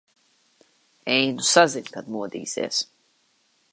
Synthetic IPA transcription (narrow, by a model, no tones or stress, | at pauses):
ɛjnusaziɲʲkad̪muɔd̪ḭːsḭɛs